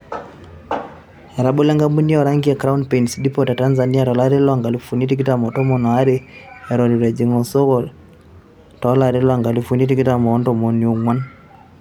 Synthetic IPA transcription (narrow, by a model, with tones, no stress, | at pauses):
ɾa˨ɓo˦lɛ˦ŋɡa˦mbu˦ni˦ɔ˨ɾa˦ŋɡiɛ˨kɾa˦u˦npɛ˨i˨nsi˨ɗi˦pɔ˨ta˨ta˦nza˨ni˦a˦tɔ˨la˦ɾɛ˦lɔa˨ŋɡa˨li˨fu˨ni˦ti˦k̬i˦ta˦mɔ˨tɔ˦mɔ˨nɔ˨a˦ɾi˦ɛ˨ɾɔ˨ɾi˨ɾɛ˨d͡ʒi˨ŋɔ˨sɔ˦ɣɔ˦˨l | tɔ˨˦la˦˨ɾɛ˦lɔ˦a˨ŋɡa˨li˦fu˨ni˦ti˦ki˦ta˦mɔː˨˦ndɔ˨mɔ˨ni˨o˨ŋwa˦n